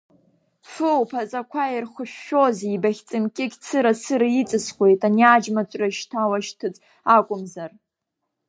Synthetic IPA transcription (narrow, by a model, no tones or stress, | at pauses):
fɨwpʰat͡sʼakʷʰairχʷʊʃᶣːo̞zibaχʲt͡sʼɨmkʲʼɪɡʲt͡sʰɨɾasɨɾait͡sʼɨsχʷwe̞jtʼaniad͡ʒmat͡ɕʷʼraʃtʰawaʃtʰɨt͡sʼ | akʷʼʊmzar